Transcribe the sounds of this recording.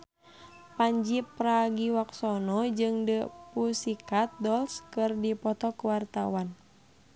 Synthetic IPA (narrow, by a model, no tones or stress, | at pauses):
paɲd͡ʒipɾaɡiwaksɔnɔd͡ʒɨŋdəpusikat̪̚dɔlskɨrdipɔt̪ɔkuwart̪awan